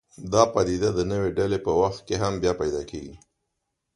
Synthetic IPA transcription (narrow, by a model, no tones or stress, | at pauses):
d̪ɑpad̪id̪ad̪ənəweɖalepəwaxt̪̚keɦambjɑpajd̪ɑkeɡi